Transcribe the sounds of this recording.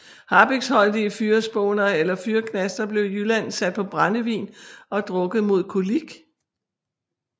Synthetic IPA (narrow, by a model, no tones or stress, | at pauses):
hɑ̈b̥eɡ̥shɒ̽ld̥iəfyːɐsb̥ɔːnɐelɐfyːɐkʰnæsd̥ɐb̥le̝ʊjylænsæd̥̚pʰɒ̽b̥ʁanəʋḭːnɒ̽d̥ʁɔ̽ɡ̥ð̩ˠmo̝ð̰ˠkʰoliɡ̥